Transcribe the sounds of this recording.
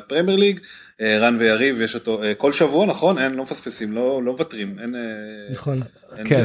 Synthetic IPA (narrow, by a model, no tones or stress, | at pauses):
pʁemjeʁliɡ | eʁanvejaʁivjeʃo̞to̞eko̞lʃavuanaχo̞nenlomefaspesimlo̞lo̞vatʁimenenχon | enke